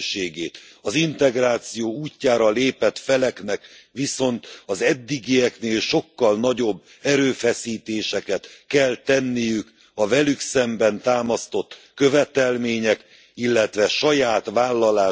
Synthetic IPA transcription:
ʃeːɡeːt̪ɒzint̪ɛɡraːt̪sijoːuːcːaːɾɒleːpɛt̪fɛlɛknɛkʋiso̞nt̪ɒzɛd̪ːiɡijɛkneːlʃo̞kːɒlnɒɟo̞bː | ɛɾøːfɛsiːt̪eːʃɛkɛt̪kɛlt̪ɛnːijyk | ɒvɛlyksɛmbɛnt̪aːmɒst̪o̞t̪ː | kø̞vɛt̪ɛlmeːɲɛk | ilːɛt̪ʋɛʃɒjaːt̪ʋaːlːɒlaː

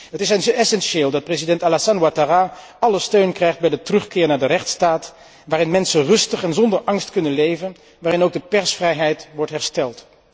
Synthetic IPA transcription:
ɦətɪsɛnzɛsɛnʃeːlˠdɑt̚prezidɛntalasanwataraː | ɑləstøɥnkrɛjχd̚bɛjdətərɵχkɪːɹnaːɹdərɛχtstaːt | ʋaːrɪnmɛnsərɵstəχɛnzɔndəɹʔɑŋstkɵnənlejvən | ʋaːrɪnowɡ̚dəpɛɹsfrɛjɦɛjtʋɔɹtɦɛɹstɛlˠt

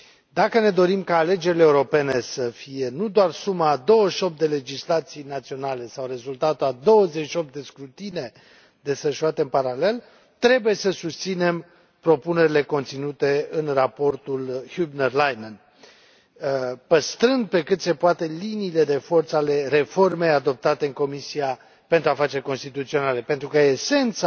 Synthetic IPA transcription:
d̪akəne̞d̪o̞ɾimkaːle̞d͡ʒe̞ɾileːuɾo̞pe̞ne̞səfije̞nud̪oarsumaːd̪o̞wəʃo̞p̚d̪e̞le̞d͡ʒislat̪sijnat̪sio̞nale̞sawre̞zult̪at̪uad̪o̞wəze̞ʃio̞p̚d̪e̞skɾut̪ine̞ | d̪e̞sfəʃuat̪e̞ɨnpaɾale̞l | t̪ɾe̞buje̞səsust̪sine̞m | pɾo̞pune̞ɾʲile̞ko̞nt̪sinut̪e̞ɨnrapo̞rt̪ulhjubnerlajnən | pəst̪ɾɨnd̪̚pe̞kɨt̪se̞poat̪e̞liniːle̞d̪e̞fo̞rt̪sale̞re̞fo̞rme̞jad̪o̞p̚t̪at̪e̞ɨŋko̞misia | pe̞nt̪ɾuafat͡ʃe̞rʲko̞nst̪it̪ut̪sio̞nale̞pe̞nt̪ɾukəese̞nt̪sa

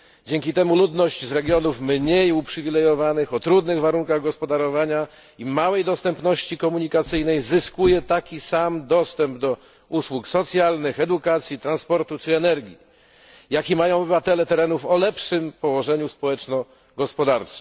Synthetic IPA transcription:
d͡ʑeŋkʲit̪ɛmulud̪nɔɕt͡ɕzɾɛɡʲjɔnufmɲejupʂɘvʲilɛjɔvanɘxɔt̪ɾud̪nɘɣvaɾuŋkaɣɡɔspɔd̪aɾɔvaɲa | imawɛjd̪ɔst̪ɛmpnɔɕt͡ɕikɔmuɲikat̪sɘjnɛjzɘskujɛt̪akʲisamd̪ɔst̪ɛmbd̪ɔ | uswuksɔt̪sʲjalnɘxɛd̪ukat̪sʲjit̪ɾanspɔɾt̪ut͡ʂɘɛnɛɾɡʲi | jakʲimajɔ̃w̃ɔbɘvat̪ɛlɛt̪ɛɾɛnufɔlɛpʂɘmpɔwɔʐɛɲuspɔwɛt͡ʂnɔ | ɡɔspɔd̪aɾt͡ʂɛ̥

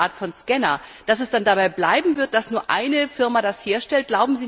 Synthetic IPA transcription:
aːɐtfɔnskɛnɐ | d̥asɛsd̥andabaɪblaɪbm̩vɪɐt̚d̥asnuːɐʔa̰ɪnəfɪɐmadasheːɐʃtɛlt̚ɡ̥laʊbm̩ziː

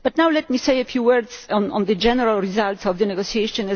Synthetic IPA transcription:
b̥atnawlɛtmiseɪəfjuwɜ˞dzɔ̃nɔ̰̃nðəd͡ʒɛnəɹalɹizaltsɔvðənɛɡosieʃə̃nɛ

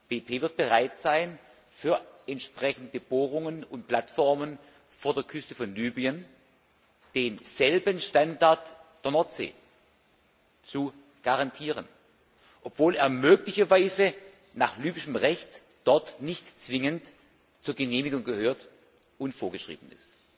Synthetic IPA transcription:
b̥eːpʰeːvɪɐt̚b̥əʁaɪtz̥aɪn | fyːɐɛntʃpʁ̥ɛçn̩dəb̥oːʁʊŋənʊnt̚pl̥atfɔʁmən | foːɐdeːɐkʰʏstəfɔnlyːbiən | d̥eːnz̥ɛlbənʃtandaɐtd̥eːɐnɔɐtz̥ḛː | t͡su | ɡ̥aʁantʰiːʁən | ʔɔpv̥oːleːɐmøːklɪçɐvaɪzə | naːχlyːbɪʃəmʁɛçt | d̥ɔɐtnɪçtt͡sv̥ɪŋənt | t͡suːɐɡəneːmɪɡʊŋɡəhøːɐt | ʊntfoːɐɡəʃʁ̥ḭːbn̩ɪ̰st

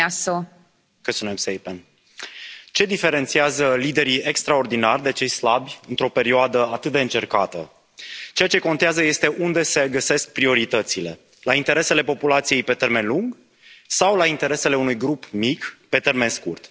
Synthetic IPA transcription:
aso | kəspunemsejpen | t͡ʃe̞d̪ife̞ɾe̞nt̪siazəlid̪e̞ɾie̞kst̪ɾao̞rd̪inarʲd̪e̞t͡ʃe̞jslabʲɨnt̪ɾo̞pe̞ɾioad̪əat̪ɨt̪̚d̪eɨnt͡ʃe̞rkat̪ə̰ | t͡ʃe̞jat͡ʃe̞ko̞nt̪eazəje̞st̪e̞ʔund̪e̞se̞ɡəse̞sk̚pɾio̞ɾit̪ət̪sile̞ | laint̪e̞ɾe̞se̞le̞po̞pulat̪sije̞jpe̞t̪e̞rme̞nluŋɡ | sawlaint̪e̞ɾe̞se̞le̞unujɡɾupmikpe̞t̪e̞rme̞nskurt̪

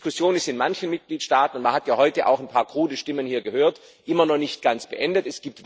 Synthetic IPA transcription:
kʊsjoːnɪstɪnmançənmɪt̚ɡ̥liːtʃtaːtn̩ʊntmanhatjaːhɔʏtəʔa̰ʊxnpʰaːɐkʁ̥uːdəʃtɪmənhiːɐɡəhøːɐt | ʔɪmɐnɔχnɪçt̚ɡ̥ant͡sb̥əʔɛndətɛsɡ̥iːp̚tv

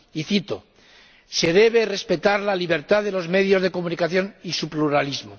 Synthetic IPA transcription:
iθit̪o | se̞ð̞e̞β̞e̞re̞spe̞t̪aɾlaliβ̞e̞ɾt̪aðe̞lo̞zme̞ðjo̞zðe̞komunikaθjo̞nisupluɾalizmo

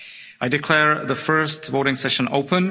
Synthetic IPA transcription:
ʔaɪdɨkʰl̥ɛɹðəfɜ˞stvoʊɾɪ̃ŋsɛʃə̃no̰ʊpʰə̃n

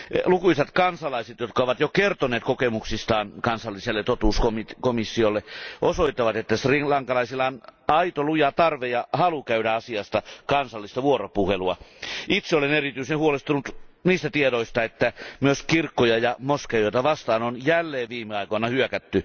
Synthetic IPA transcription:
lukuisɑt̪kɑnsɑlɑiset̪jot̪kɑoʋɑt̪jokert̪oneːt̪kokemuksist̪ɑːnkɑnsɑlːiselːet̪ot̪uːskomit̪komisːiolːeʔosoit̪ːɑʋɑt̪et̪ːæsriŋlɑŋkɑlɑisilɑnɑit̪olujɑt̪ɑrʋejɑhɑlukæyɾæɑsiɑst̪ɑkɑnsɑlːist̪ɑʋuoropuheluɑit̪seolenerit̪yisenhuolest̪unut̪niːst̪æt̪iedoist̪ɑet̪ːæmyøskirkːojɑjɑmoskejɑjoit̪ɑʋɑst̪ɑːnonjælːeːʋʋiːmeɑikoinɑhyøkæt̪ːy

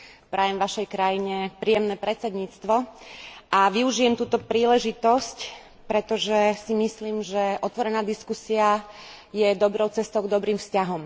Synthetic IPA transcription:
pɾʔajɛmʋaʃɛjkɾajiɲɛpɾiːjɛmnɛːpɾɛt͡sɛd̪ɲiːt͡st̪ʋɔʔaʋiuʒijɛmt̪uːt̪ɔpɾiːlɛʒit̪ɔsc | pɾɛt̪ɔʒɛsimisliːmʒɛʔɔt̪ʋɔɾɛnaːd̪iskusia | jɛd̪ɔbɾɔʊt͡sɛst̪ɔʊɡd̪ɔbɾiːmfscaɦɔm

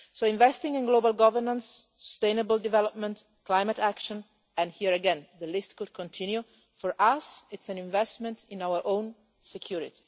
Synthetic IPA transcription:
soĩɱvɛst̪ĩŋĩnɡlobalɡɔvəɹnãnsːu̥st̪ẽjnəbəld̪ivɛlɔp̚mɛ̃nt | klajmat̪ækʃɔ̃n | ɛ̃nhiəɾəɡɛ̃nðəlɪstkud̪̚kʰɔ̃nt̪ʰĩnju | fɔɹʔasɪtsæ̃nĩɱvɛstmɛ̃ntĩnawəɹʔõwn | sɛkʰjuɾit̪i̥

